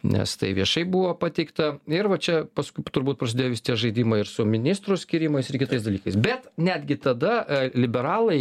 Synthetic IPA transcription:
nʲɛ̰st̪ɐ̰ɪʋʲiɛʃɐɪbuʋoːpɑt̪ʲɛɪkt̪ɐɪɾʋɐt͡ʃʲɛpɐskʊɪt̪ʊɾbuːt̪̚pɾɐsʲɪd̪ʲeːjoʋʲɪsɪt̪ʲiɛkʒɐɪd̪ʲiːmɐɪɾsʊmʲɪnʲɪst̪ɾʊsʲkʲiɾʲɪmɐɪsɪɾkʲɪt̪ɐɪsd̪ɐlʲiːkɐɪsbʲɛt̪nʲæd̪ʲɡʲɪt̪ɐd̪ɐlʲɪbʲɛɾɑːlˠɐɪ

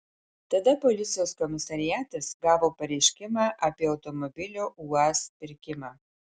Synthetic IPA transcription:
t̪ɐd̪ɐpolʲɪt̪sʲɪjoːskɔmʲɪsɐɾʲɪjæːt̪ɐsɡɑːʋoːpɐɾʲɛɪʃʲkʲɪmɑːʔɐpʲiɛɐʊt̪ɔmɔbʲɪlʲoːʔuːɑspʲɪɾʲkʲɪmɑː

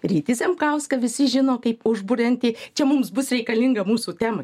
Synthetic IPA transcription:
ɾʲiːt̪ʲɪsʲɛmkɐʊskɐʋʲɪsʲɪʒʲɪnoːkɐɪpʊʒbʊɾʲɛnʲt̪ʲɪt͡ʃʲɛmʊmsbʊsɾʲɛɪkɐlʲɪŋɡɐmuːsuːt̪ʲæːmɐ

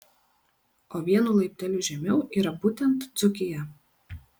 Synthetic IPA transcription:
oːʋʲiɛnulˠɐɪp̚ʲt̪ʲɛlʲʊʒʲɛmʲɛʊʔiːɾɐbuːt̪ʲɛnt̪zʊkʲɪjɛ

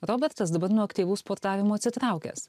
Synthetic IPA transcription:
ɾoːbʲɛɾt̪ɐs̬d̪ɐbɐɾnuɔɐkt̪ʲiːʋuːspoːɾt̪ɑːʋʲɪmuːɐt̪ʲsʲɪt̪ɾɑˑʊkʲɛ̰ːs

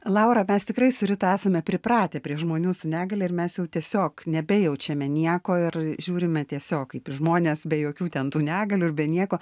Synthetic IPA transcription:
lˠɑʊɾɐmʲɛst̪ʲɪkrɐɪsʊɾʲɪt̪ɐæːsɐmʲɛpʲɾʲɪpɾɑːt̪ʲepʲɾʲiɛʒmoːnʲuːsʊnʲæːɡɐlʲɛɪrmʲɛsjɛʊt̪ʲiɛsʲoːknʲɛbʲɛjɛʊt͡ʃʲɛmʲɛnʲiɛkoːɪrʒʲuːɾʲɪmʲɛt̪ʲiɛsʲoːkiːpʲɪʒmoːnʲeːsbʲɛjoːkʲuːt̪ʲɛnt̪uːnʲæːɡɐlʲuːɪrbʲɛnʲiɛkoː

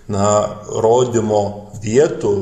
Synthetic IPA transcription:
nɐɾoːd̪ʲɪmoːʋʲiɛt̪u

